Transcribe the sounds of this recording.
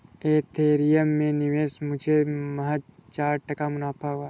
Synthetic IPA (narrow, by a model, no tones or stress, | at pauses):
eːt̪ʰeːɾijəmːẽnɪʋeːsmʊd͡ʒʱemɐɦat͡ʃaːɾʈəkamʊnaːpʰaɦuaː